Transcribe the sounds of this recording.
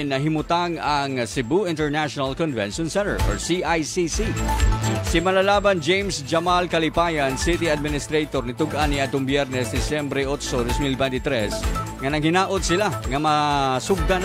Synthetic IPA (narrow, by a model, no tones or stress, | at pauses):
nːɐɦɪmʊt̪aŋɐŋsɪbuʔɪnt̪ɛɹnaʃonalkɔnvɛ̰nʃɔnsɛnt̪ɛ̰ɹʔɔ̰ɹsiʔajsisi | sɪmɐlalaːbɐnd͡ʒejmsd͡ʒɐmalkɐlɪpaːjansɪt̪iad̪̚mɪnɪst̪ɾejt̪oɾnɪt̪ʊɡʔanːɪad̪ʊmbjɛɾnɛsd̪ɪsjɛmbɾɛʔot̪sod̪osmilbɛnt̪ɪt̪ɾɛsŋɐnɐɡhɪnaːʔot̪̚sɪlaŋɐmɐsʊɡ̚d̪an